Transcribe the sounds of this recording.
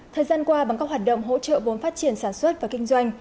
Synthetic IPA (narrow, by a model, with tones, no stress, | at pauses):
t̪ʰəː˨˩jzaː˧nkwaː˧ɓa˨˩ŋkaː˦˥k̚ɦwaː˨˩t̚ɗə̰˧˨wŋ͡mɦo̰˧˥t͡ɕə̰˧˨vo˨˦nfaː˦˥t̚t͡ɕi˨˩ənsaː˧˩nswə˦˥t̚vaː˨˩kï˧ŋ̟zwa˧jŋ̟